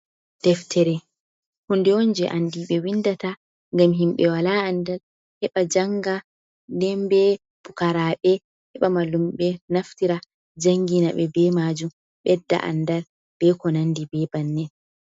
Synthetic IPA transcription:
d̥ɛftʰɛɾɛ | hundɛond͡ʒɛʔandiɓɛwindata | ŋɡamɦimɓɛwalaandal | hɛɓad͡ʒaŋɡa | dɛmbɛ | b̥ukaɾaɓɛ | hɛɓamalumɓɛnaftiɾa | d͡ʒaŋɡinaɓɛbɛmad͡ʒum | ɓɛdːa̰ʔa̰ndal | b̥ɛkɔnandibɛbanːɛ

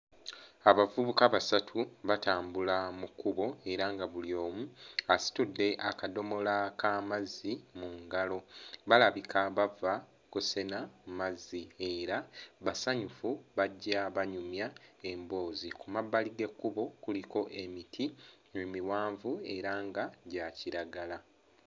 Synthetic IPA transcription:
aβavuβukaβasatʰuβataːmbulamukːuβo̞e̞ɾaŋɡaβulio̞ːmuasi̥tudːe̞ʔakado̞mo̞lakʰamazimuŋɡalo̞βalaβikʰaβava | kuse̞namumazːie̞ɾaβasaɲufuβaɟːaβaɲumjaembo̞ːzikumabːaliɡe̞kːuβo̞kuliko̞ʔe̞mitʰi | mumiwaːɱvue̞ɾaŋɡaɟaciɾaɡala

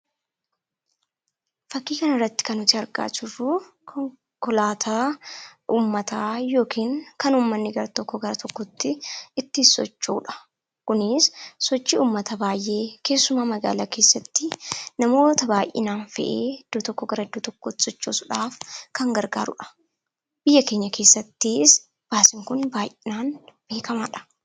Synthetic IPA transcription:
fɐkːiːkɐnɐrːɐt̪ːɪ̥kɐnɔt̪ɪɐɾɡa̰ːt͡ʃɪrːuː | kʰɔŋ | kɔlaːt̪ʰa | ʔuːmːɐt̪aːjo̞ːkʰiːŋkɐnuːmːɐnːɪɡɐɾɐt̪ɔkːɔɡɐɾɐt̪ʰɔkːɔt̪ːɪɪt̪ːɪsɔ̰t͡ʃːuːᶑɐ̥ | kʊnɪssɔt͡ʃːɪuːmːɐt̪ɐbaːjʔe̞ːke̞ːsːʊmaːmɐɡa̰ːlake̞ːsːɐt̪ːɪnɐmo̞ːt̪ɐbaːjʔɪ̰naːnfɛ̰ʔeːd̪̥ɔt̪ɔkːɔɡɐɾɐd̪ɔt̪ɔkːɔt̪ːɪ̥sɔt͡ʃːo̰ːsʊᶑaːfkɐŋɡɐɾɡa̰ːɾʊᶑɐ̥ | b̥ɪjːɐke̞ːɲːɐke̞ːsːɐt̪ːis | b̥aːsɪŋkʊnbaːjʔɪnaːnb̥e̞ːkɐma̰ːᶑɐ̥

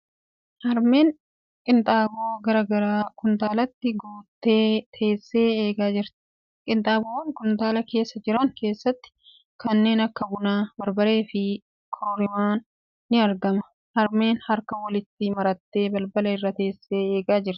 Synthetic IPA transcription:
hɐɾme̞ːŋ | kʼɪnt̪ʼaːboːɡɐɾɐɡɐɾaːkʊnt̪aːlɐt̪ːɪɡuːt̪ːe̞ːt̪ʰe̞ːsːe̞ːeːɡaːd͡ʒɪɾt̪ | kʼɪnt̪ʼaːboːwɐŋkʊnt̪aːlɐke̞ːsːɐd͡ʒɪɾɐŋke̞ːsːɐt̪ːɪ̥ | kɐnːe̞ːnɐkːɐbʊnaːbɐɾbɐɾe̞ːfɪ | kʰoːɾɪmaːnː | ɪɐɾɡɐmɐ | hɐɾme̞ːnhɐɾkɐwɐlɪt̪ːɪmɐɾɐt̪ːe̞ːbɐlbɐlɐɪrːɐt̪e̞ːsːe̞ːeːɡaːd͡ʒɪɾt̪ɪ̥

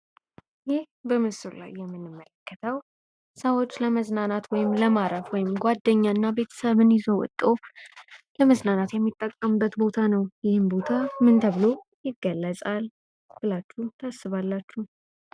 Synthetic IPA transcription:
jɪh | bəmɨsulla̰jːɛmːɨnːɨmːələkːət̪ʰəw | səwot͡ʃːləməznanat̪wɔjɪmləmaɾəfwɔjɪmɡʷwad̪ːəɲːaɨnːabe̞t̪ʰə̥səβɨnjɪzowɔ̰t̪ʼːo | ləməznanat̪jɛmːit̪ʼːəkʼːəmbːət̪bo̞t̪ʰanəwjɪhɨmbo̞t̪ʰamɨnt̪ʰəβɨlo | jɪɡːəlːəsʼal | b̥ɨlat͡ʃːut̪ʰasːɨβalːat͡ʃːu

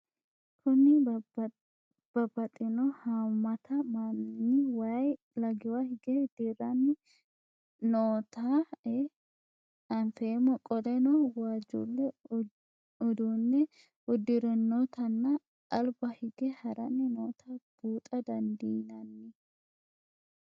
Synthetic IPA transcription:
kʰʊnɪ | b̥ɐbːɐt̪ʼɪnɔhaːmːɐt̪ʰɐmanɪnːɪwɐj | lɐɡɪwahɪɡɛd̪̥ɪɾɐnːɪ | noːt̪aɛ | ɐnfeːmɔkʼɔd̪ɛnɔwaːd͡ʒṵlːɛ | ʊd̪unːɛ | ʊd̪ɪɾɛnːot̪ʰɐnːɐ | ɐlbɐhɪɡɛhɐɾɐnːɪnoːt̪ʰab̥uːt̪ʼɐd̪ɐnd̪iːnɐnːɪ

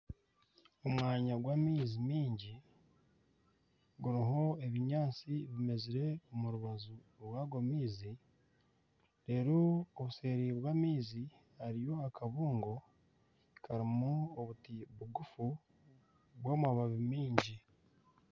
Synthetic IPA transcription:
omwaːɲaɡwaːmiːzimiːɲɟi | ɡuɾiɦo̞e̞βiɲaːt͡siβime̞ziɾe̞omuɾuβazuɾwaːɡomiːzi | ɾe̞ːɾooβuse̞ːɾiβwaːmiːzi | haɾijo̞akaβuːŋɡo̞ | kʰaɾimuoβutiβuɡufu | βwoːmwaβaβimiːɲɟi

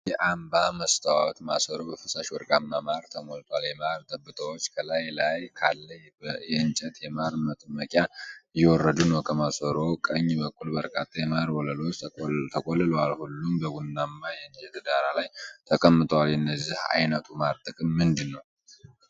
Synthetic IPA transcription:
jɛʔambaməst̪ʰawɔ̰t̪ma̰səɾo̞bəfɨsaʃwɔ̰ɾɡamːamaɾt̪ʰəmolt̪ʰʼaljɛmaɾt̪ʼəbːɨt̪ʼʰəwot͡ʃːkʰəlajlajkʰa̰lːə | jɛɨnt͡ʃʼɛt̪jɛmaɾmət̪ʼɨməkʼjajɛwɔrːəd̪unəwkʰəmasəɾo̞kʼəɲːbəkʼːulbəɾkʼa̰t̪ʼːajɛmaɾwɔləlo̞t͡ʃːt̪ʰəkʼɔlːɨlwalhulːumbəɡunːamːajɛɨnt͡ʃʼɛt̪ʰɨd̪aɾalajt̪ʰəkʼəmːɨt̪ʼwalɨnːəzːiha̰jnət̪ʰumaɾt̪ʼɨkʼɨmːɨnd̪ɨnːəw

